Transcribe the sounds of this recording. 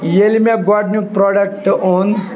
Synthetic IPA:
jelimaɡaɖnupɾɔɖəkʈoːn

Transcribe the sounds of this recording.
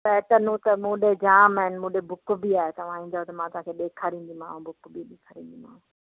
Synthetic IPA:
pɛːʈənũt̪ɐmũːɗed͡ʑaːmaːɦɪnɪmũːɗebʊkbiaːɦet̪ɐʋ̤ãĩːd͡ʑaot̪ɐmãːt̪ʊɦãkʰeɓeːkʰaːɾĩːnd̪imã̰ːɦũbʱʊkbiɗeːkʰaːɾĩːnd̪imã̰ːɦũ

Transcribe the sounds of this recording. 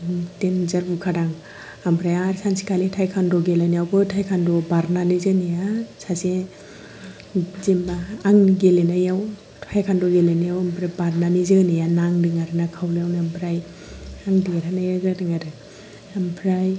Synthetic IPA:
tenzaɾbukʰaɾaŋ | ambɾajaɾsansi̥kʰalitʰajkʰandɔɡelanijawbɯtʰajkʰandɔbaɾnanizɯnijasase | zimbaːŋɡelenajaw | tʰajkʰandɔɡelenajawampʰɾajbaɾnanizɯnijanaŋdɯŋaɾɯnakʰawljawnambʰɾaj | aŋdiaɾanajaɾɡɾadɯŋaɾɯ | ampʰɾaj

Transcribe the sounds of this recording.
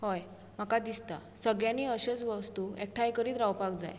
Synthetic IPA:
ɦɔj | m̤akad̪ist̪a̰ | səɡɭjãnːiːəɕət͡sʋəst̪uek̚ʈʰajkəɾiːt̪ɾawpaɡd͡za̰j

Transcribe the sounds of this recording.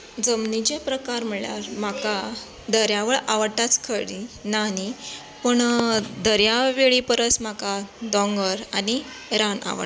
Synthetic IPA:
d͡zəmnid͡ʑepɾəkaɾm̤əɭjaɾmaka | d̪əɾjaʋəɭaʋəɽt̪at͡skʰəɽinani | pəɳd̪əɾjaʋeɭipəɾət͡smakad̪ɔ̃ŋɡəɾani | ɾana̰ʋə̰

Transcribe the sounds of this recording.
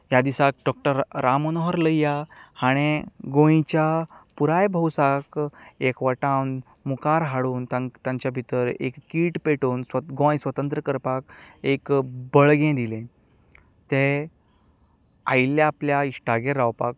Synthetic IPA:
jad̪isak̚ɖɔkʈəɾːamonoɦəɾləjjahaɽ̃eɡõĩt͡ɕjapuɾajbʱəwsakekʋaʈãwn | mukaɾɦaɽuːnt̪at̪jãɲt͡ɕjabʱit̪əɾḛkːiːʈpeʈoːnsɡõjsʋət̪ənt̪ɾəkəɾpakekbəɭɡẽd̪ilẽ | t̪e | a̰jljaːpljaisʈaɡeɾːawpak̚

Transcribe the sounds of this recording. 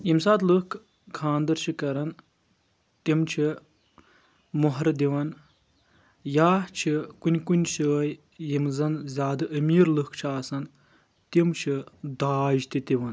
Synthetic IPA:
jimsaːd̪lɨkʰ | kʰːãːnd̪ɐɾt͡ʃʰikɐɾɐn | t̪imt͡ʃʰi | muɦɾd̪iʋɐn | jaːt͡ʃʰikunʲkunʲʃʰəːj | jimzɐnzʲaːd̪ɨʔɐmiːɾlɨkʰt͡ʃʰiaːsɐn | t̪imt͡ʃʰid̪aːʒt̪it̪iʋɐn

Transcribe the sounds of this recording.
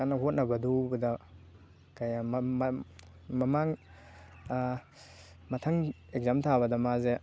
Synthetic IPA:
anaɦot̚nabɐdubɐda | kajamm | mamaŋ | mɐtʰaŋ | ek̚zamt̪ʰabɐdamaze

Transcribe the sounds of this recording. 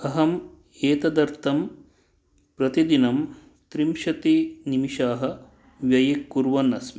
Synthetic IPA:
ɐɦɐm | eːt̪ɐd̪ɐɾt̪ʰɐm | pɾɐt̪id̪inɐm | t̪ɾimʃɐt̪inimiʃaːɦɐ̆ | ʋjɐjɐkːuɾʋɐnːɐsmi

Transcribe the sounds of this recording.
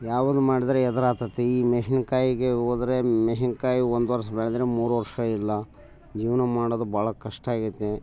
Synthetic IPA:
jaːʋɐd̪umaːɽid̪ɐɾeɛd̪ɐɾaːt̪ɐt̪ːeiːmeʃinkaːjiɡeoːd̪ɐɾemeʃinkaːjiond̪ʋɐɾs̬ɐbɛɭed̪ɾemuːɾuʋɐɾʂɐilːɐ | d͡ʒiːʋnɐmaːɽod̪ubʱaːɭɐkɐʂʈaːɡit̪ːe

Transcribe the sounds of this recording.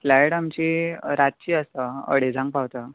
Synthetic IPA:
flɛjʈamt͡ɕiɾat̪̚t͡ɕiːəsəə̰ɽed͡zʱãŋɡ̚pawt̪ə

